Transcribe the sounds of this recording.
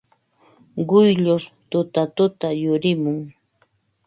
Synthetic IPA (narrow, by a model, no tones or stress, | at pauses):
ɢʊjʎʊst̪ʊt̪at̪ʊt̪ajʊɾɪmʊŋ